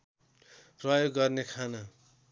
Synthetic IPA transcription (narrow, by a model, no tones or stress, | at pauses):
prʌjoɡːʌrnekʰanʌ